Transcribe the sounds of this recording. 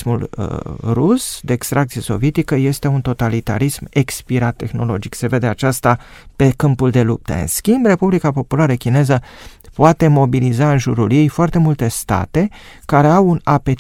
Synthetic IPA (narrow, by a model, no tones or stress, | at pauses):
mulə̰rusd̪e̞ːkst̪ɾʔakt̪sije̞so̞̰vje̞t̪ikəje̞st̪e̞unt̪o̞t̪alit̪a̰ɾisme̞kspiɾat̪ːe̞xno̞lo̞d͡ʒikse̞ve̞d̪e̞at͡ʃast̪ape̞kɨmpuld̪e̞lup̚t̪ə̰ɨ̰nskʲimbre̞publikapo̞pulaɾəkʲine̞zəpoat̪e̞mo̞bilizaɨnʒuɾulje̞jfoart̪e̞mult̪e̞st̪a̰t̪e̞kaɾe̞awunape̞